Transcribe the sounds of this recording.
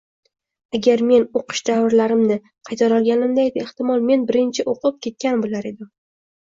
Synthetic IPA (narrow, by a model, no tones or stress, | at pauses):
aɡʲaɾme̞noqʰɨ̥ʃd̪avɪɾlaɾɪmnɪ | qʰɑjt̪ʰaɾɒlˠɡʲanɪmd̪ajd̪ɪeht̪ɪmɒlˠme̞nbɪɾɪnt͡ʃʰɪʔoqʰɨp̚kʲe̞t̪̚kʲanbolaɾe̞d̪ɪm